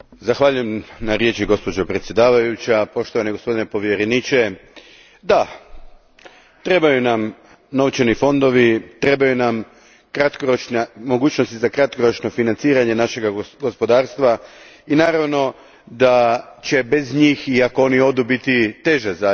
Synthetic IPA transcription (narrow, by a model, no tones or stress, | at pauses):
zaxʋaːʎujemnaɾje̞t͡ʃiɡo̞spo̞d͡ʑopɾe̞t̪sʲje̞d̪aːʋajut͡ɕapo̞ʃt̪oʋaneɡospo̞d̪inepo̞ʋjeɾe̞niːt͡ʃe̞ | d̪a | t̪ɾe̞bajunam | no̞ʋt͡ʃenifo̞nd̪o̞ʋit̪ɾe̞bajunam | kɾat̪koɾot͡ʃnemo̞ɡuːt͡ɕno̞st̪izakɾat̪̚ko̞ɾot͡ʃno̞finant̪siːɾaɲe̞naʃe̞ɡaɡo̞spo̞d̪aːɾst̪ʋainaːɾaʋno̞ | d̪at͡ɕe̞be̞zɲiːxiako̞o̞nio̞d̪ubit̪it̪e̞ʒaza